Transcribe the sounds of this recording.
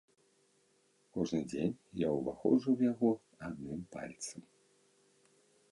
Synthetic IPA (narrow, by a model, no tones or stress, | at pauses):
kɔʐnɨd͡zʲenʲjawva̰xɔ̰ʐɨwjaɣɔ | ad̪nɨmpa̰lʲt̪sɐm